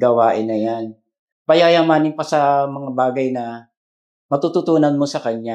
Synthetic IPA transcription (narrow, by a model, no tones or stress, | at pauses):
ɡɐwaːʔɪnːɐjan | pɐjaːjamaːnɪŋpɐsɐmɐŋabaːɡɐjnɐ | mɐt̪uːt̪ʊt̪uːnɐnmosɐkɐɲːa